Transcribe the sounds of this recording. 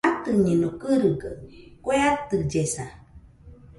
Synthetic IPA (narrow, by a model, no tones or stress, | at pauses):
at̪ɨɲẽnokɨɾɯɡakʷeat̪ɨd͡ʒesa